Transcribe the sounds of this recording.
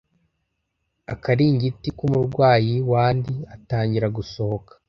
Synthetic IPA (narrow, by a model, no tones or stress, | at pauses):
a̰kaɾiːɲɟitikumuɾɡwaːjiwaːndiataːɲɟiɾaɡuso̞hokḁ